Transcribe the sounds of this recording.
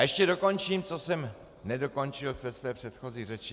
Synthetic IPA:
ʔɛʃcɛdo̞ko̞nt͡ʃiːmt͡so̞sɛm | nɛdo̞ko̞nt͡ʃɪlvɛsvɛːpr̥ɛt̪xo̞ziːrɛt͡ʃ

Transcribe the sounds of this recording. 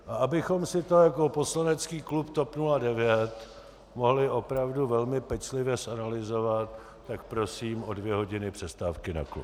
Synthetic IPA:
ʔaabɪxo̞msɪt̪o̞jako̞po̞slanɛt͡skiːklupt̪o̞pnuladɛvjɛt̪ | mo̞ɦlɪʔo̞pɾavduvɛlmɪpɛt͡ʃlɪvjɛsʔanalɪzo̞vat̪̚ː | akpɾo̞siːmo̞dvjɛɦo̞ɟɪnɪpr̥ɛst̪aːfkɪna̰klṵp

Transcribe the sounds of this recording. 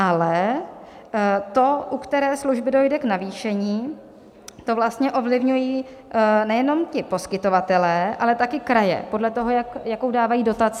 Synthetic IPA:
ʔalɛ | t̪o̞ʔukt̪ɛɾɛːsluʒbɪdo̞jdɛknaviːʃɛɲiː | t̪o̞vlast̪ɲɛʔo̞vlɪvɲujiː | nɛjɛno̞mcɪpo̞skɪt̪o̞vat̪ɛlɛːʔalɛt̪akɪkɾajɛ̰po̞dlɛt̪o̞ɦo̞jakjakowdaːvajiːdo̞t̪at͡sɪ

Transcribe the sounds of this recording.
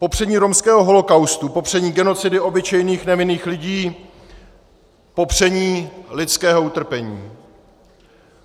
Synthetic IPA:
po̞pr̝̥ɛɲiːɾo̞mskɛːɦo̞ɦo̞lo̞kawst̪upo̞pr̝̥ɛɲiːɡɛno̞t͡sɪdɪo̞bɪt͡ʃɛjniːxnɛvɪniːxlɪɟiː | po̞pr̝̥ɛɲiːlɪt͡skɛːɦo̞ut̪r̩pɛɲiː

